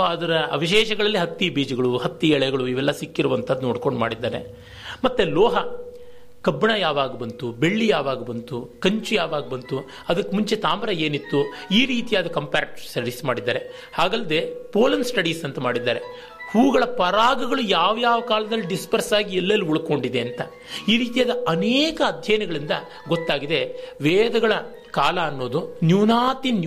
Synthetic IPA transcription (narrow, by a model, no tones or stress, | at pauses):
ɐd̪ɐɾɐʋiʃɛːʃɐɡɐɭɐlːiɦɐt̪ːibiːd͡ʒɐɡɐɭuhɐt̪ːiɛɭɛɡɐɭuiʋɛlːɐsikːiɾuʋɐnt̪ʰɐd̪ːunoːɽko̞ɳɖmaːɽid̪ːaːne̞̰ | mɐt̪ːeloːɦɐ | kɐbːɐɳɐjaːʋaːɡɐbɐnt̪ube̞ɭːijaːʋaːɡɐbɐnt̪ukɐɲt͡ʃujaːʋaːɡɐbɐnt̪u | ɐd̪ɐkːemuɲt͡ʃe̞t̪aːmɐɾɐe̞ːnit̪ːuiːɾiːt̪ijaːd̪ukɐmpaːɾʈsɐɾɽiːsmaːɽid̪ːaːɾe̞ | haːɡɐlːɐd̪e̞poːlɐnsʈɐɽiːsɐnt̪ɐmaːɽid̪ːaːɾe̞ | huːɡɐɭɐpɐɾaːɡɐɡɐɭujaːʋjaːʋɐkaːlɐd̪ɐlːiɖispɐɾsaːɡiɛlːɐlːiuɭuko̞ɳɖid̪e̞ɐnt̪ɐ | iːɾiːt̪ijaːd̪ɐɐneːkɐːd̪ʱjɐjɐnɐɡɐɭind̪ɐ | ɡɔt̪ːaːɡid̪e̞ʋeːd̪ɐɡɐɭɐ | kaːlɐːnːo̞ːd̪unjuːnaːt̪in